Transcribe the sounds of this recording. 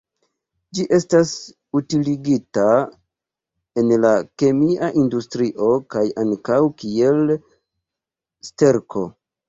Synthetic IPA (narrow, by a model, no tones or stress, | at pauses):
d͡ʒiʔe̞stas | utiliɡita | e̞nlake̞miʔaʔindustɾiʔo̞kajaŋkawkie̞l | ste̞ɾkʰo̞